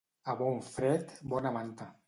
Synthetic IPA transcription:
aβɔɱfɾɛt̪bɔnamant̪a

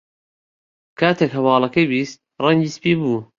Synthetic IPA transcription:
kʰaːt̪ʰekɦɐwɑːlˠɐkɐjbiːst̪̚rɐŋɟiːspiːbuː

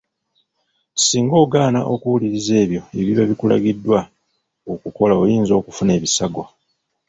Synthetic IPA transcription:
siːŋɡo̞ːɡaːnaʔo̞kuwuliɾize̞ːβjo̞eβiβaβikula̰ɡidːwa | okuko̞laojiːnzo̞ːkufune̞ːβisaɡo̞

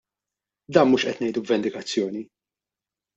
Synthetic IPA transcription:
d̪ɐːnmuːʃʔɛt̪nɛjd̪ubvɛnd̪ɪkɐt͡sːjɔːni

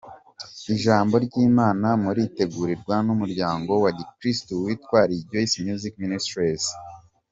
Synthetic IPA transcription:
iʒaːmbo̞ɾɟiːmaːnamuɾite̞ɡuːɾiɾɡwanumuɾɟaːŋɡo̞wadikɾistuwitkwaːɾibɟoisimjuzikministɾis

